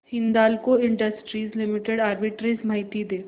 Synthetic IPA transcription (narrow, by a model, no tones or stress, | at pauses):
hɪ̃nd̪aːlkoɪ̃ɳɖəsʈɾiːzlɪmɪʈeɽaːɾbɪʈɾismaɪt̪id̪eː